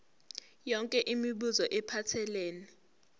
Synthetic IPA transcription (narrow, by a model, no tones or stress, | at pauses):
jɔŋkʼɛʔimiɓuzɔʔɛpʰatʰɛlɛːnɛ